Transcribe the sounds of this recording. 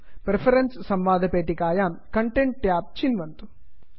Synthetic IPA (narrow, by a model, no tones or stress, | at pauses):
pɾepʰɐɾenssɐmʋaːd̪ʱɐpeːʈːikaːjaːmkɐɳʈeɳʈ̚ʈjaːp̚t͡ʃinʋɐnt̪u̥